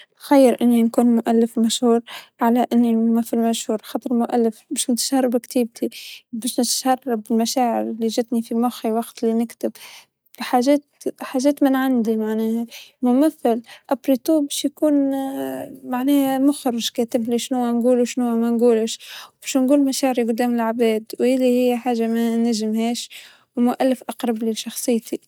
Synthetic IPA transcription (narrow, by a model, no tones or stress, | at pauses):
nxajːɪɾʔɪnːinkuːnmʊʔalːɪfmaʃhuːɾʕalaʔɪnːilmʊmaθːalmaʃhuːɾˤxɑt̪ˤɨɾˤmʊʔa̰lːɪfbæːʃnɪt̪ʒɑrˤːɑbkt̪iːb̚t̪ʰibæːʃnɪt̪ʃɑrˤːɑbɪlmaʃaːʕɪ̰ɾɪlːiʒɪt̪nifimʊxiwɑɡt̪linɪkt̪ɪb | fiħaʒeːt̪ħaːʒɛːt̪mɪnʕand̪imaʕnɛːhamʊmaθːalʔabɾit̪uːbæːʃjkuːn | maʕnɛːhæmʊxɾˤɪʒkæːt̪ɪbliʃnuwanɡuːluʃnuːamænɡuːlɪʃwbæːʃnɡuːlmaʃaːʕɪɾiɡʊd̪ːæːmɪlʕabɛːd̪wʔɪlːihɪjːħaːʒamænaʒɪmhɛːʃ | wmʊʔalːɪfʔɑqɾˤɑbliʃɑxsˤɨjːt̪i